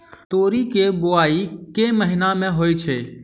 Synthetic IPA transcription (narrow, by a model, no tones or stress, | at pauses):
t̪oːɾiːkeːboaːiːkeːməɦɪnãːmẽɦoːit͡ʃʰeː